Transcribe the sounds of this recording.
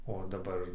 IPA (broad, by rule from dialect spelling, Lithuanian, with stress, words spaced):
oː dɐˈbɐr